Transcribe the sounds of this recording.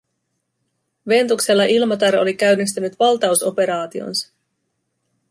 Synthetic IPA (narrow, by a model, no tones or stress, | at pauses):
ʋe̞nt̪ukse̞lːɑʔilmɑt̪ɑɾo̞lik̟æɥnːist̪ynyt̪ʋɑlt̪ɑuso̞pe̞ɾɑːt̪io̞̰nsɑ̥